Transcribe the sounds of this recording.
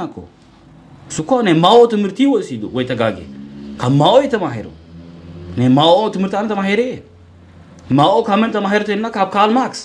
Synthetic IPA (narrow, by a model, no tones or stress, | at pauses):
ako̰ | sukonemawotəmɨɾtiwosiduwejtɐɡaɡḛkamawoitɐmaɦḛɾṵ | nemawotəmɨɾtanitamaɦeɾe | mawokamentɐmaɦeɾtenːakab̚kalmaks